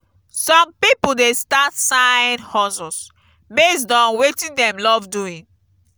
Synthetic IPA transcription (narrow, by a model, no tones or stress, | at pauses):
sɔ̃mpipudestatsaĩnhɔsɔs | bes̬tɔ̃nwetĩndɛ̃mlɔvduĩn